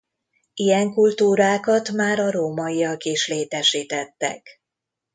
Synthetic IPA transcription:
ijɛŋkult̪uːɾaːkɒt̪maːɾɒɾoːmɒijɒkiʃleːt̪ɛʃiːt̪ɛt̪ːɛ̰k

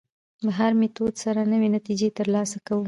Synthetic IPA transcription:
laɦaɾmet̪od̪saɾanəwenat̪id͡ʒet̪əɾlɑsakawə

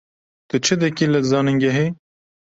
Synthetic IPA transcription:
t̪ɨt͡ʃʰɨd̪ɨkiːlɨzɑːnɨŋɡɛɦe

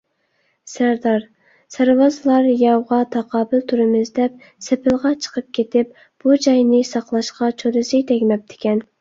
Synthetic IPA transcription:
sæɾd̪ɑɾ | sæɾwɑzɨlˠɑɾjɑwʁɑt̪ʰɑqʰɑːbɪlt̪ʰuɾɨmɪzd̪ɛp̚ | sepʰɪlˠʁɑt͡ʃʰə̥qʰəp̚kʲʰet̪ɪp̚ | b̥ud͡ʒɑjnɪsɑqlˠɑʃqɑt͡ʃʰoɾɨsɨt̪ʰɛɡʲmɛp̚d̪ʰɪ̥kʲɛn

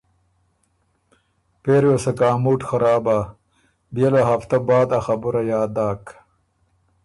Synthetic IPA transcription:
peːɾjesɐkaːmuːʈxɐɾaːba | bjelaɦaft̪ɐbaːd̪ɐxabuɾɐjaːd̪aːk

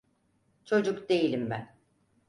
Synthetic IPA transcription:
t͡ʃʰo̞d͡ʒukd̪e̞jilʲimbæn

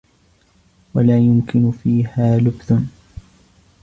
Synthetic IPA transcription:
walaːjʊmkɪnʊfiːhaːlʊbθʊn

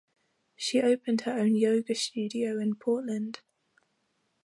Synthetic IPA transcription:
ʃiʔəʊpʰə̃nd̥həɹə̃ʊ̃njəʊɡəst͡ʃʉːdiəʊɪ̃npʰɔˑʔlə̃nd̥

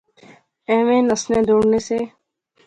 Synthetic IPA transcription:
ɛ̃ːʋẽːnəsnẽːd̪oːɽneːseː

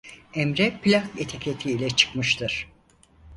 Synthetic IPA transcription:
ɛmɾɛpʰilʲahjet̪ʰecʲʰet̪ʰiːlʲɛt͡ʃʰɯ̥kmɯʃt̪ʰɯɾ̥

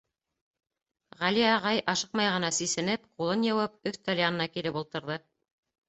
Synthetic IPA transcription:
ʁæliɑʁɑjʔɑʃɤq̚mɑjʁɤ̆nɑsisɘ̆nɘpqulˠɤnjɑwɤp̚ɵθt̪olʲanɤ̆nɑkilɘpulˠt̪ɤ̆ɾðɤ

